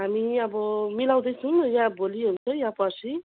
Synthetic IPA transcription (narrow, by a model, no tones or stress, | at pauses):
ɦamiʌbʌmilaw̃d̪ʌjt͡sʰʌnjãboliɦunt͡sʰʌjãpʌsʰi